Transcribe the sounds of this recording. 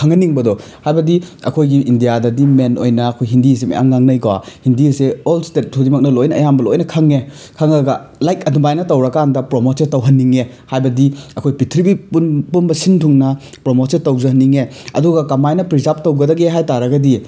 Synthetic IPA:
kʰɐŋɐniŋbɐdɔ | hajbɐdiɐ̰kʰojɡiʔindijadɐdimenojnɐːkʰojɦindis̬emḛʔa̰ŋːaŋnɐjɡwahindiseolstet̚tʰudimɐk̚nɐlojnɐɐjambɐlojnɐkʰɐŋe | kʰɐŋɐɡɐlajkɐdumajnɐtɐwɾɐkandɐpɾomotsetɐwɦɐnːiŋe | hajbɐdiɐkʰojpitʰɾibipunpunbɐsintʰuŋnɐ | pɾomosetɐwzɐɦɐnːiŋe | ɐ̰duɡɐkɐmajnɐpɾizap̚tɐwɡɐdɐɡeɦajtaɾɐɡɐdi

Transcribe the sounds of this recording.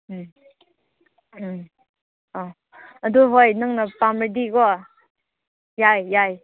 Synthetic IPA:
ɔ | ɐd̪uɦojnɯŋnapamədiɡɔ | jajːaj

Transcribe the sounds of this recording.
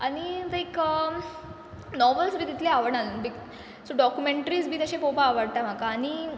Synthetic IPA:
aɽ̃ilajkə | nɔʋəlsbʱit̪it̪leaʋəɽɳalənbik | soɖɔkjumeɳʈəɾiːsbʱiːt̪əɕẽpopaːʋəɽt̪am̤akaːñi

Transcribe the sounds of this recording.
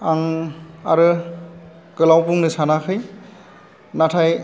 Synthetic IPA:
aŋaɾɯ | kɯlawpuŋnɯsanakʰɯj | natʰaj

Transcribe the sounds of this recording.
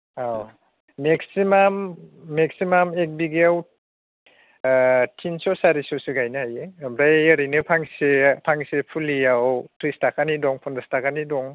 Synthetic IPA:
aw | meksimamːek̚simamek̚biɡeaw | tʰinsɔsaɾisɔsiɡajnahajebɾajaɾijnɯpʰaŋsepʰaŋsepʰulijawtɾistakanidɔŋpʰɔndastakʰanidɔŋ

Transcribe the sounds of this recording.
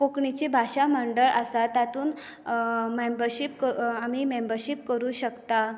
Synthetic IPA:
kokɳit͡ɕibʱaɕaməɳɖəɭʔəsat̪at̪uːn | membəɾɕip̚kəamiːmembəɾɕipkəɾuːɕəkt̪a

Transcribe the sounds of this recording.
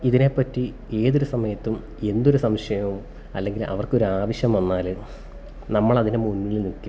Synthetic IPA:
iðine̞pːɐtːi | e̞ːðo̞ɾusɐmɐjɐt̪ːum | e̞nd̪o̞ɾusɐmɕɐjɐmum | ɐlːe̞ŋɡilʔɐ̰ʋɐrko̞ɾuaːʋɐɕjɐmʋɐnːaːlɨ | nɐmːɐɭɐðinɨmunːilnikːu

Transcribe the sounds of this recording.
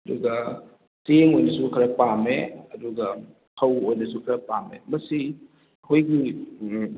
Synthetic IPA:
ɐduɡɐ | teŋojnɐsukʰɐɾɐpameɐduɡɐ | hʰɐwojnɐsukʰɐɾɐpamḛmɐsi | ɐhʰojɡi

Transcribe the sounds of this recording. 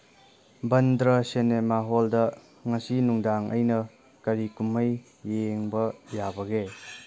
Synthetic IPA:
bɐndɾɐsenemaɦoldɐ | ŋɐsinuŋdaŋɐ̰jnɐ | kɐɾikumɐjː | eŋbɐjabɐɡe

